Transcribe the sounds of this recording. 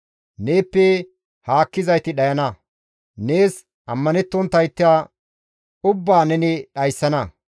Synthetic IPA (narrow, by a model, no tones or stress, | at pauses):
neːpːɛ | haːkːɪzɐjt̪ɪɗɐjɐnɐ | ne̞ːs | ʔɐ̰mːɐnɛt̪ːɔnt̪ːɐjt̪ːɪa | ʊbːaːnɛnɪɗɐjsːɐnɐ